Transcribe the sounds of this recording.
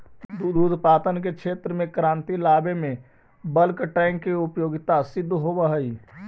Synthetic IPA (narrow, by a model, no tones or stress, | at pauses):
d̪ud̪uːd̪ʱpaːt̪ənkekʰet̪ɾəmẽkɾãːnt̪ilaːbeme | bəlkʈɛ̃ŋkːiupjoːɡɪt̪asɪd̪ʱːɦobəɦəi